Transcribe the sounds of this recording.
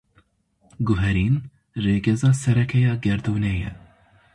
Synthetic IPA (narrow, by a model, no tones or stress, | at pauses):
ɡʊɦɛɾiːn | reːɡɛzɑːsɛɾɛkʰɛjɑːɡɛɾd̪uːnɛjɛ̰